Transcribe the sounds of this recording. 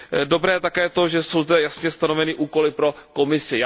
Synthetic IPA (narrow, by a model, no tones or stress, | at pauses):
do̞bɾɛːt̪akɛːt̪o̞ʒɛso̞wzdɛjasɲɛst̪anovɛniʔuːko̞lɪpɾo̞ko̞mɪsɪja